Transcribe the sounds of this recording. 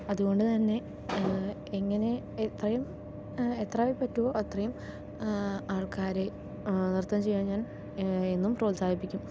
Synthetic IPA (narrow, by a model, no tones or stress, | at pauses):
ɐðuɣo̞ɳɖɨt̪ɐnːe̞ | eŋːɐne̞ | et̪rɐjum | et̪raːʋipːɐtːuʋo̞ɐt̪rɐjum | aːɭkaːɾe̞ | nirt̪ɐnt͡ɕe̞jːaːnɲaːn | e̞nːumpro̞ːlsaːd̪ʱipːikʲːum